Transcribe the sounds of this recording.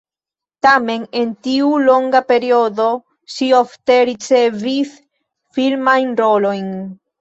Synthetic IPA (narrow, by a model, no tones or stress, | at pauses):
tame̞ne̞ntiulo̞ŋɡape̞ɾiodo̞ | ʃio̞fte̞ɾit͡sevis | filmajnɾo̞lo̞jn